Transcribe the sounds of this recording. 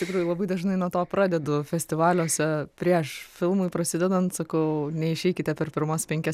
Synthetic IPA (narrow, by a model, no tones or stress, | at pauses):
ɪʃt̪ʲɪkɾuːjʊlˠɐbɐɪd̪ɐʒnɐɪnuɔt̪oːpɾɑːd̪ʲɛd̪ʊfʲɛsʲt̪ʲɪʋɑːlʲoːsʲɛpʲɾʲiɛʃfʲɪlˠmʊɪpɾɐsʲɪd̪ʲɛd̪ɐnt̪sɐkɐʊnʲɛɪʃʲɛɪkʲɪt̪ʲɛpʲɛrpʲɪɾmoːspʲɛŋʲkʲɛ